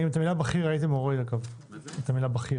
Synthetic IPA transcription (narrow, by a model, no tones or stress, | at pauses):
imet̪amilabaχiʁait̪imoʁedaɡav | et̪amilabaχi